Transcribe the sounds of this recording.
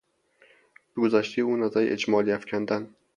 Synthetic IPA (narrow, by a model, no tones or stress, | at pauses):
b̥eɡozæʃt̪ʰiuːnæzæɾḭʔed͡ʒmɒːliæfcʰʲænd̪æn